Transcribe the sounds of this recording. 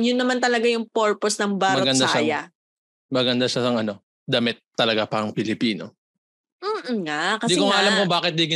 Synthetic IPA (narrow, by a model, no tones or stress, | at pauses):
jʊnːɐmant̪ɐlɐɡajʊŋpoɹposnɐŋbaɾmɐɡɐnd̪aʃaːɐjɐ | mɐɡɐnd̪aʃaɐŋɐno̞ | d̪ɐmɪt̪ːɐlɐɡapɐɐŋpɪlɪpiːno̰ː | ŋakɐsd̪ikoŋaʔɐlamkobaːkɪt̪̚d̪iɡɪ